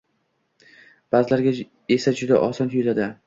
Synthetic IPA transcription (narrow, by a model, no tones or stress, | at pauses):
b̥aːzɪlaɾɡʲa | e̞sad͡ʒʊd̪a̰ʔɒsɒnʰʊlad̪ɪ